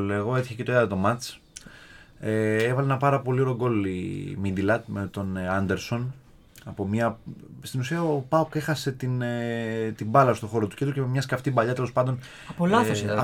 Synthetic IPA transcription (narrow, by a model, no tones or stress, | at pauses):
leɣo̞et̪içece̞t̪oeɐt̪o̞mɐt͡s | eevɐleenɐpɐɾɐpo̞lio̞ɾoɡo̞limind̪ilɐt̪met̪o̞nɐnd̪e̞ɾso̞n | ɐpo̞mɲɐst̪inusiɐopɐoke̞xɐse̞t̪in | t̪imbɐlɐst̪o̞xo̞ɾot̪u̥cet̪ucememɲɐskɐft̪ibɐʎɐt̪elospɐnd̪o̞n | ɐpolɐθos